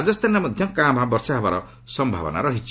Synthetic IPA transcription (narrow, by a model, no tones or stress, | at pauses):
d͡zʌst̪ʰanamʌd̪ʱjʌkãmbʱɦabɔrsaɦabaɾɔ | sʌmbʱa̰bɔ̰na̰ɾʌɦit͡ʃi